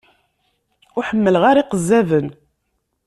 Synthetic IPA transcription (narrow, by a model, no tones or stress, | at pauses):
ʊħəmːəlʁaɾiqəzːævən